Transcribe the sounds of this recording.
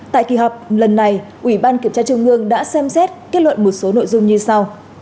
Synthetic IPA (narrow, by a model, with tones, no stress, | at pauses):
t̪a̰ː˧˨jkḭ˨˩ɦɔ˨˩k͡p̚lə˨˩nːa˨˩jʔwi˧˩ɓaː˧nki˧˩əmt͡ɕaː˧t͡ɕʊ˧ŋ͡mʔɨ˧əŋɗa̰ː˧˥sɛ˧msɛ˦˥t̚ke˦˥t̚lwə̰˧˨nmo˨˩t̚so˨˦no̰˧˨jzʊ˧ŋ͡mɲɨ˧sa˧w